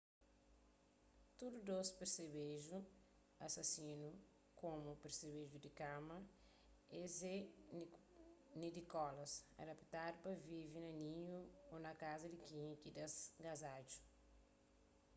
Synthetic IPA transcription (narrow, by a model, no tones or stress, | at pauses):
t̪udud̪ospeɾsebeʒu | ɐsɐsĩnu | kõmupeɾseβeʒud̪ikamɐ | eze | nid̪ikɔlɐsɐ̰dɐpi̥t̪adupɐvivinɐnĩɲuonɐkazɐd̪ikĩkid̪ɐsɡazad͡ʒu̥